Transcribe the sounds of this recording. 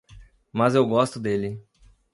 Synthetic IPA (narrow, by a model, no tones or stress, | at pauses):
mɐzewɡɔst̪ʊd̪elɪ